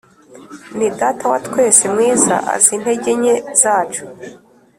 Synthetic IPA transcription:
nidatawatkwe̞ːsemŋiːza̰ʔa̰zin̥he̞ɟe̞ɲe̞z̥aːt͡ʃu̥

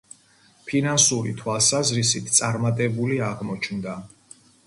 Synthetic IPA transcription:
pʰinansuɾit̪ʰwalˠsazɾisit̪ʰt̪sʼaɾmat̪ʼɛbuliaʁmɔt͡ʃʰnd̪a

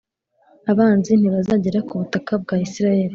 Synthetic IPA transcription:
aβaːnzin̥iβazaɟeɾakuβutakab̚ɡaːisiɾajeɾi

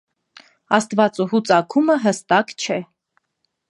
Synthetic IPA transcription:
ɑst̪vɑt͡sʼuɦut͡sʼɑkʰuməɦəst̪ɑkt͡ʃʰɛ

